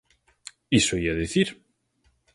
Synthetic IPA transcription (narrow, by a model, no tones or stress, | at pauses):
isoiaðeθiɾ